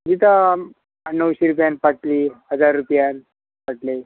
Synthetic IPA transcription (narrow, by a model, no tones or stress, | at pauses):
d͡ʑit̪a | nəwɕeɾupjanpaʈlihəd͡zaɾːupjan | paʈle